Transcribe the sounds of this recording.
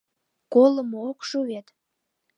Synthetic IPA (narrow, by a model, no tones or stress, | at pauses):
koləmookʃuɣet̪